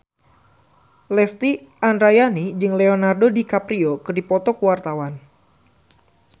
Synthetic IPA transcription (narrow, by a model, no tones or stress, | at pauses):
lɛst̪iandɾajanid͡ʒɨŋlɛonardodikapɾiokɨrdipɔt̪ɔkuwart̪awan